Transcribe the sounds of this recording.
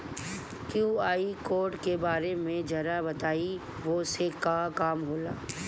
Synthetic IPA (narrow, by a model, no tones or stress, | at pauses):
kjuːaːikoːɾʈkebaːɾemẽd͡ʒɐɾabɐt̪aːi | ʋosekakaːmɦoːla̰ː